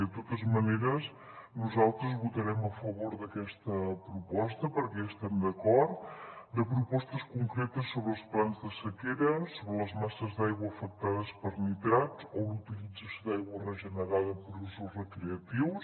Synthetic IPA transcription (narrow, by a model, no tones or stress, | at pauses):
ət̪ot̪əzməneɾəs | nuzalˠt̪ɾəzβut̪əɾɛməfəβoɾðəkɛst̪əpɾupɔst̪əpəɾkɛəst̪ɛmd̪əkɔɾt̪d̪əpɾupɔst̪əskuŋkɾet̪əsːoβɾəːlˠsplanzðəsəkeɾəsoβɾələzmasəzd̪ajɣwəːfək̚t̪aðəspəɾnit̪ɾat͡sɔlut̪ilid͡zəsjod̪ajɣwərəʒənəɾaðəpɾusuzrəkɾeət̪iws